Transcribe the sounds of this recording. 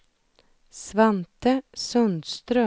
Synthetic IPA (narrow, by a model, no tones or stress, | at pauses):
svant̪əsɵnd̪st̪ɾœ